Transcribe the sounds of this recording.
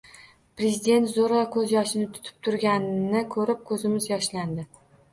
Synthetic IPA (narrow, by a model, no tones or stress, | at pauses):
pɾe̞zɪd̪e̞nt̪zoɾɒkʰɵzjɒʃɪnɪt̪ʰʊ̥t̪ʰɪ̥p̚t̪ʰʊɾɡʲannɪkʰɵɾɪp̚kʰɵzɪmɪzjɒʃland̪ɪ